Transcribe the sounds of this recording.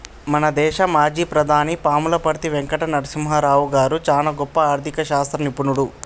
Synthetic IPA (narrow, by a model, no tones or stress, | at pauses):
mɐnɐd̪ɛːʃɐmaːd͡ʒiːpɾɐd̪ʱaːnipaːmulɐpɐɾt̪iʋeŋkɐʈɐnɐɽusimɦɐɾaːwuɡaːɾut͡ʃaːnɐɡɔpːɐaːɾd̪ʱikɐʃaːst̪ɾɐnipunuɽu